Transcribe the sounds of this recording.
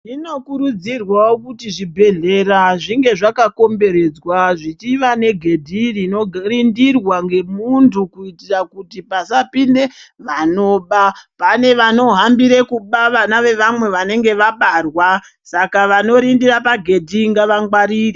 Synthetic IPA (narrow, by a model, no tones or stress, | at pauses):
ino̞kuɾud͡zirwawokutiʐibʱe̞ɮe̞ɾaʐiŋɡe̞ʐakako̞mbe̞ɾe̞d͡zwaʐit͡ʃiʋane̞ɡʱe̞dʱirino̞rindirwaŋɡe̞muntʰukuitirakutipasapinde̞ʋano̞ɓapane̞ʋano̞ɦambiɾe̞kuɓaʋanaʋe̞ʋamwe̞ʋane̞ŋɡe̞ʋaɓarwa | sakaʋano̞ɾindirapaɡʱe̞dʱiŋɡaʋaŋɡwaɾiːri